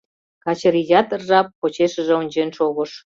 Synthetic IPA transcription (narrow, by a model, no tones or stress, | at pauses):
kɑt͡ɕəɾijɑt̪ərʒɑpːot͡ɕeʃə̆ʒeonʲt͡ɕenʃoɣəʃ